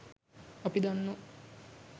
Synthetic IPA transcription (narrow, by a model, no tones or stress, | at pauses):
opid̪onːu